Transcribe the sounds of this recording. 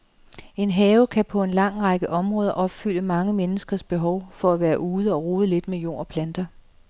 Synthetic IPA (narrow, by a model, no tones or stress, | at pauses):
e̝nɦɛːʊkʰæpʰɒ̽e̝nlɑ̈ŋ̰ʁɑɡ̥əʔɒ̽mʁɔ̽ːð̞ˠɐʔɒ̽b̥fyl̰əmɑ̈ŋəmenəsɡ̥ɐsb̥e̝ɦɒʊfɒ̽æʋæːɐʔuːð̞ˠəɒ̽ʁoːðˠəle̝d̥mejo̝̰ːɒpʰlænd̥ɐ